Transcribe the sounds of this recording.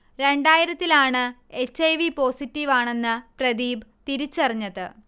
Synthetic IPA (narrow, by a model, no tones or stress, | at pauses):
ɾe̞ɳɖaːjiɾɐt̪ːilaːɳɨet͡ɕːɐjʋipo̞ːsitːiʋaːɳe̞nːɨprɐd̪iːbt̪iɾit͡ɕːɐrɐɲːɐðɨ